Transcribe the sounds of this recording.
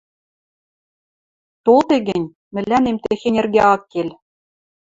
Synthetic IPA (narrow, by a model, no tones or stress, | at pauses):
t̪olˠt̪eɡʲɘ̆nʲ | mɘ̆lːænemt̪exenʲĕrɡeɑkːelʲ